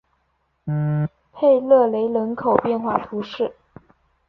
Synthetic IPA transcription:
pʰe˥˧ɪlɤ˥˩le˧˥ɪlə˧˥nkʰo˨˩ʊpjɛ˥˧nxwa˥˩t̪ʰu˧˥ʂɻ̩˥˩

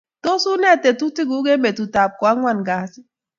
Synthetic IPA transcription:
to˦su˦ne˦˨te˨tu˦ti˦ɡu˦ɡe˦me˨tu˨ta˨p̚kɔ˨a˦ŋʷa˦nɡa˨˦si˦

